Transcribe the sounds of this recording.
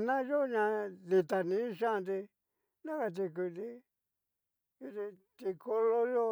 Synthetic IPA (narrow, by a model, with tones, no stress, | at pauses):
nã˦jo˦˧ɲã˧ði˧t̪a˧nĩ˨˦ʃã˦˧nd̪i˧ | nã˦ka˧t̪̬i˧ku˧t̪i˧ | i˧t̪i˧t̪i˧kʰo˧lo˧jo˦